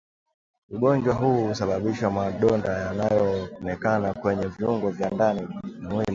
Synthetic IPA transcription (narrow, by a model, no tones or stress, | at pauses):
uɠɔɲd͡ʒwaɦuːusaɓaɓiʃamaɗɔndajanajɔɔnɛkanakwɛɲɛviuŋɡɔvjandanimwili